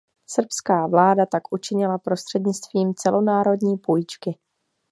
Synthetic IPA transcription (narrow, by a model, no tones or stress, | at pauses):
sr̩pskaːvlaːdat̪akʔut͡ʃɪɲɪlapɾo̞st̪r̥ɛdɲɪt͡st̪viːmt͡sɛlo̞naːɾo̞dɲiːpujt͡ʃkɪ